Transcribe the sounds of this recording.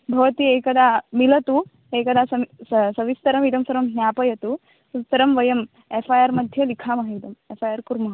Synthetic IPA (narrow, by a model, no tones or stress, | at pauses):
bʱɐʋɐt̪ieːkɐd̪ʱaːmilɐt̪u | eːkɐd̪aːsɐssɐʋist̪ɐɾɐmid̪ɐmsɐɾɐmɦjaːpɐjɐt̪u | sut̪ːɐɾɐmʋɐjɐm | epʰaːjaɾmɐd̪ʱjɐlikʰaːmɐɦɐid̪ɐmefʰaːjaːɾkuɾmɐɦɐ